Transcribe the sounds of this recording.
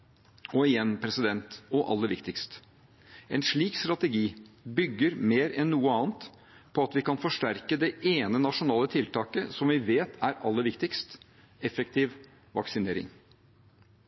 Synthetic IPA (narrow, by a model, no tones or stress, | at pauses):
ɔɪjɛnpʰɾɛsɪd̪ɛnt̪ɔʔɑ̰lːəɾʋɪkt̪ɪkst̪ | ɛnʂɭiːkst̪ɾɑt̪ɛɡiːbʏɡːəɾmeːɾɛnːuːəɑːnt̪ | pʰɔɑt̪ʋɪkɑnfɔʂʈæɾkəd̪ɛʔeːnənɑʂʊnɑːlət̪ʰɪlt̪ʰɑːkəsɔmʋɪʋeːt̪ʰæɾɑlːəɾʋɪkt̪ɪkst̪ | ɛfɛk̚t̪ʰiːʋ | ʋɑksɪneːɾɪ̰ŋ